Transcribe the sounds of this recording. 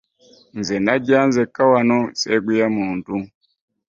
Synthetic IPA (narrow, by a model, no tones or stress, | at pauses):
nzɛnaɟanzɛkawanɔsɛɡujamuntu